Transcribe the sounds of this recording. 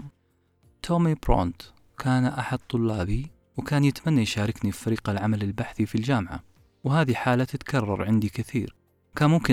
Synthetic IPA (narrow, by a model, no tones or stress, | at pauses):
t̪ʰoːmibɾo̰ːnt̪ | kʰaːnʔaħad̪̚t̪ˤːʊlːaːbi | wkaːnjɪt̪manːajʃaːɾˤɪknifaɾiːqalʕamalɪlbaħθifild͡ʒaːmʕa̰ | whaːðiħaːlat̪ɪt̪kʰɑrˤːɑ̰ɾˤʕɪnd̪ikɪθḭːɾ | kaːnmʊmkɪ